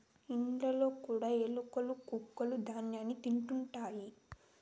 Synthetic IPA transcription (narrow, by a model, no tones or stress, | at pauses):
iɳɖlɐlo̞ːkuːɽaːelukɐlukukːɐlud̪ʱaːnjaːnit̪iɳʈuɳʈaːji